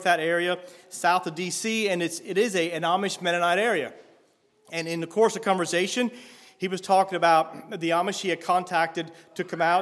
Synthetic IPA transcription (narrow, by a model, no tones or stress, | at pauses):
ðɨɾɛɹiɨsaʊθɨdisiɨ̃nɨtsɪɾɪzɨɨnɑmɨʃmɛɾɨnaɪɾɛɹiɨ̰ | ɨ̃nɨ̃nðɨkʰɔɹsʌv̥kʰɑ̃ɱvə˞seɪʃɨ̃n | iwʌz̥tʰɔkɪ̃ŋɨbaʊt̪̚ðiɑmɨʃhiɨd̚kʰɑ̃ntʰæk̚tɨd̚ | tʰɨkʰʌ̃maʊ